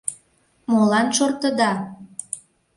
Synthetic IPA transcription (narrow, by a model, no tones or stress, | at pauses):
molɑnʃort̪ə̆d̪ɑ